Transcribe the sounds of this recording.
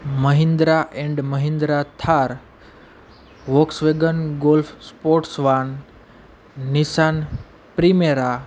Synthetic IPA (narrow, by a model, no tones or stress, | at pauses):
məɦĩnd̪ɾaʔẽɳɖməɦĩnd̪ɾat̪ʰaɾ | ʋoksʋeɡənɡolfʰspoʈsʋan | isan | pɾimeɾa